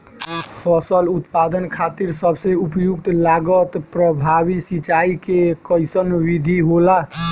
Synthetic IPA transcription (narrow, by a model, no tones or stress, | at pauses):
pʰəsəlut̪pad̪ənkʰat̪iɾsəbʱseupjuk̚t̪laɡət̪pɾəbʱaβisit͡ʃaikekəjsənʋid̪ʱiɦola